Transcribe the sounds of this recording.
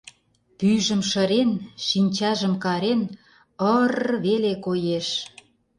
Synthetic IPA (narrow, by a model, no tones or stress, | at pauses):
pyʒə̆mʃəɾenʃinʲt͡ɕɑʒə̆mkɑɾen | ərβelekojeʃ